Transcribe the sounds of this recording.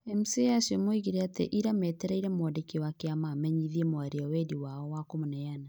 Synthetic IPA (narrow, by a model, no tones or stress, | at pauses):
ɛmseasemoiɣiɾeateʔiɾamɛteɾaiɾamoɔdekewakeamamɛɲiðiemoaɾeawɛdiwaɔwakomonɛjana